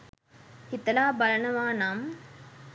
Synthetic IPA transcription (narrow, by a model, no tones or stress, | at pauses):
hɪt̪ːɐlaːbɐlɐnɐʋaːnaːm